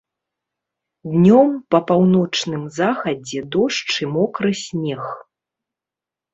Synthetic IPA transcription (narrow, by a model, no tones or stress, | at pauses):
d̪nʲɔmpɐpawnɔt͡ʂnɨmzaxɐd͡zʲɛd̪ɔʂt͡ʂɨmɔkɾɨsʲmʲɛx